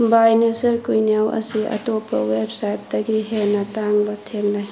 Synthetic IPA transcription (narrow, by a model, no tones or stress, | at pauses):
bajnesɐɾkujnijawʔɐ̰siʔɐ̰topːɐ̰websajp̚dɐɡiɦenɐtaŋbɐtʰeŋlaj